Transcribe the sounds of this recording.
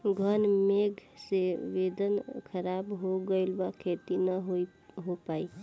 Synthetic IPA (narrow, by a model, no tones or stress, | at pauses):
ɡʱənmeɡʱseʋed̪ənkʰəɾabɦoɡəɪlbakʰet̪inəɦoi | ɦopai